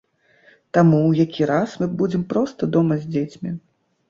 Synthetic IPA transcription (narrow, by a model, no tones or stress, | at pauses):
t̪amuwjakʲiɾasmɨbud͡zʲɛmpɾɔst̪ɐd̪ɔmɐzʲd͡zʲet͡sʲmʲi